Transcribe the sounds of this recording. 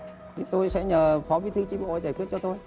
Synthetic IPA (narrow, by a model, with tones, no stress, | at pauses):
t̪ʰi˨˦t̪o˧jsɛ̰˧˥ɲəː˨˩fɔ˨˦vi˨˦t̪ʰɨ˨˧˦t͡ɕi˧˦ɓo̰˧˨˩zaː˩jkwi˦˥ət̚t͡ɕɔ˧t̪o˧j